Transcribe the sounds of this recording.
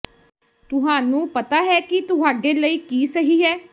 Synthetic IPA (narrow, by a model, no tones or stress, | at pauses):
t̪ʊɦaːnũːpət̪aːɦɛːkɪt̪ʊɦaːɖeːləiːkiːsəɦiːɦɛː